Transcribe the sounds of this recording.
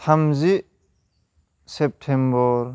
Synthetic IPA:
tʰamziʔ | sep̚tʰembɔɾ

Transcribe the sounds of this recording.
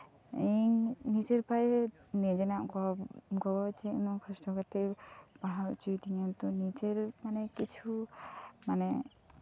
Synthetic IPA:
iŋnit͡ʃɛɾpaj | nɛd͡ʒɛnaʔkɔaɡɔɡɔt͡ʃɛʔnɔkʰɔsʈɔkat̪ɛbaɦawt͡ʃujt̪ʰiɲant̪ɔnit͡ʃeɾmanɛkit͡ʃʰu | manɛ

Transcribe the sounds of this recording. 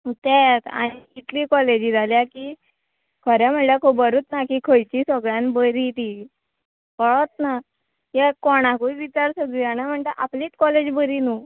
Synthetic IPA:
t̪ɛt̪a̰ɽ̃iit̪likɔled͡ʑiːd͡zʱaljaki | kʰɔɾjam̤əɳlakobəɾuːt̪nakikʰəjt͡ɕĩsəɡɭjãnbəɾit̪i | kɔɭɔt̪na | jekɔɽ̃ãkuiʋit͡ɕaɾsəɡijanam̤əɳt̪aʔapliːt̪kɔled͡ʑbəɾinu

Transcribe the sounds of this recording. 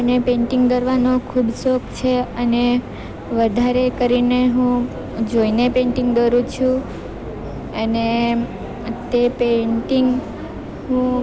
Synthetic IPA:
ənepẽɳʈiŋɡd̪əɾʋanokʰubsokt͡ʃʰeəne | ʋəd̪ʱaɾekəɾineɦũ | d͡ʒoinepẽɳʈĩŋɡd̪əɾũt͡ʃʰũ | əne | t̪epeɳʈiŋɡ | ɦũ

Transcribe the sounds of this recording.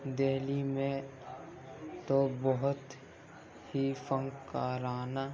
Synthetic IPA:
d̪eːlimẽ | t̪obəɦʊt̪ | hifə̃ŋɡkaːɾaːna

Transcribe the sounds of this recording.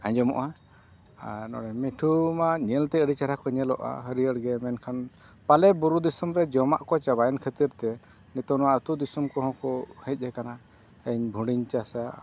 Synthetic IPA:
aɲd͡ʒɔmɔ̰ʔa | nɔ̰ɽɛmiʈʰumaɲɛlt̪ɛəɽit͡ʃaɾakɔɲɛlɔ̰ʔa̰ɦəɾiəɽɡɛmɛnkʰan | palɛbuɾud̪isumɾɛd͡ʒɔmaʔkɔt͡ʃabajɛnkʰət̪iɾt̪ɛ | nit̪ɔnɔwaət̪ud̪isumkɔɦɔ̃kɔhɛc̚ˀɦɛkana | əɲbʱũɖiɲt͡ʃasa

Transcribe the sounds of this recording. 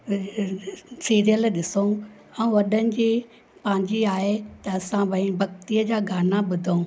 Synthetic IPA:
siːɾijəlɗɪso | ɛũʋɐɗənɪ̆d͡ʑiː | pɐ̃ːɪ̃ɲd͡ʑiaːɦet̪ɐɐsãbɐ̃ĩbʱɐk̚t̪ijəd͡ʑaːɡʱaːnaɓʊd̪ʱoũ

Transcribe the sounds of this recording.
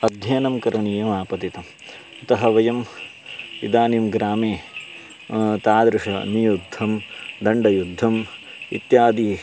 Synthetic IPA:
ɐd̪ʱjɐːnɐmkɐɾɐɳiːjɐmaːpɐt̪it̪ɐm | ɐt̪ɐɦɐʋɐjɐm | ḭd̪aːnimɡɾaːmeː | t̪aːd̪ɾɪʂɐnijud̪ʱːɐmd̪ɐɳɖɐjud̪ʱːɐm | ḭt̪jaːd̪iː

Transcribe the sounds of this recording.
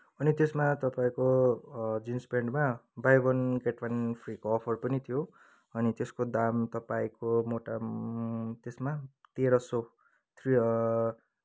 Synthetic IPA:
ʌnit̪esmat̪ʌpaĩko | d͡zinspeɳɖmabajbʌnɡeʈwanpʰrikoʌpʰʌrpʌnit̪ʰijo | ʌnit̪eskod̪amt̪ʌpaĩkomoʈa | t̪esmat̪eɾʌso | t̪ʰri

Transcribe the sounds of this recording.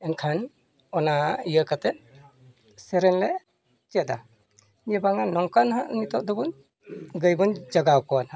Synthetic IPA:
ɛnkʰan | ɔnaijəkat̪ɛ | sɛɾɛnlɛ | t͡ʃɛd̪a | jɛbaŋanɔŋkanɦaʔnit̪ɔd̪ɔbun | ɡɯjbɯnd͡ʒaɡawkɔnha

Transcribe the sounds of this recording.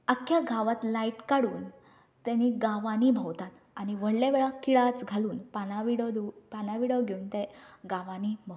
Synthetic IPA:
əkʰːjaɡʱaʋat̪laiʈkaɽuːn | t̪aniɡaʋanibʱəwt̪at̪ | aniʋəɽlaʋeɭakiɭat͡sɡʱaluːnpanaʋiɽəd̪epanaʋiɽəɡʱeuːnt̪eɡaʋanibʱə

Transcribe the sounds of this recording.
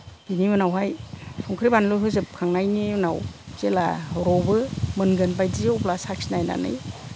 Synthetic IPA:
dinimɯnawɦajsʰɔŋkʰɾibanlɯɦɯzɯp̚kʰaŋnajnimɯnawz̥elaɦɔɾɔwbɯmɯnɡɯnbajdiwplasak̚sinajna̰nɯ̰j

